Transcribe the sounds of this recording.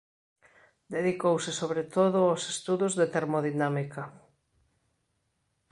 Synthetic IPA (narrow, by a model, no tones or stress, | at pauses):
d̪eðikowsɪsoβɾet̪oðʊawse̥st̪uðʊzðet̪eɾmoðinamika